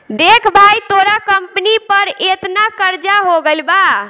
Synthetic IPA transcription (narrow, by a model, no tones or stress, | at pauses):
d̪ekʰbʱajt̪oɾakəmpnipəɾet̪nakəɾd͡ʒaɦoɡəlba